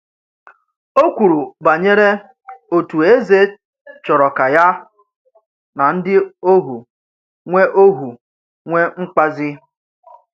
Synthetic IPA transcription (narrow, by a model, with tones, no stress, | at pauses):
o˦kʷu˨ɾu˨ba˨ɲe˦ɾe˦ | o˨tu˨e˦ze˦ | t͡ʃɔ˨ɾɔ˨ka˨ja˦ | na˨n̩˦dɪ˦o˦ɦu˨ | ŋʷe˦ʔo˦ɦu˨ | ŋʷe˦ŋ͡m̩˦k͡pa˦zɪ˦